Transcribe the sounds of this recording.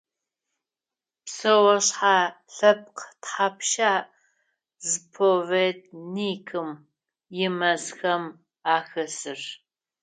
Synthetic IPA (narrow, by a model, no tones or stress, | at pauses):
psɐwɐɕħaːɬɐp̚qtħapʃaːʔ | zɨpʰoveːt̚ʰniːkʰɨm | jɪmɐzxɐm | aːxɐsɨr